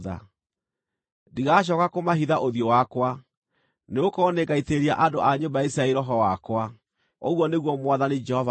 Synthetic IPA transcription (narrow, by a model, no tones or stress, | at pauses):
ða̰ | diɣaɕ̬ɔːkakomaɦiðaʔoðjowakwa | neokɔneɡaiteɾiaʔadoʔaɲobaisɾaeɾɔɦɔwakwa | oɣwɔneɣwɔmwaðanid͡ʒɛhɔv